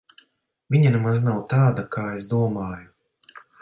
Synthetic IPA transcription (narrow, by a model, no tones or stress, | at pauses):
vʲiɲanemaznawt̪aːd̪akʰaːesd̪uɔmaːju